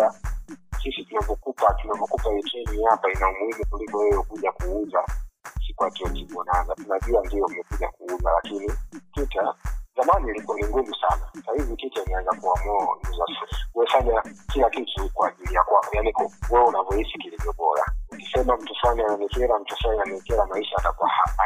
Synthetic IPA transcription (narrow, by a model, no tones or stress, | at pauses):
asisitunavɔkupatunavɔkupaitɛmihapainaumuimukulikɔwɛjɔkuʄakuuzasikuatiɔtikɔnanzatunaʄuandijɔmɛkuʄakuːzalakinititazamanilikɔniŋɡuvusa̰nasahivɔtitainawɛzakuamuaŋuzasuɛfaɲakilakitukwaːʄilijakwaɔjanikɔwɛunavɔhisikilivjɔɓɔɾa̰ukisɛmam̩tuflaniananikɛɾam̩tuflanianɛkɛɾamaiʃaːtakwaha̰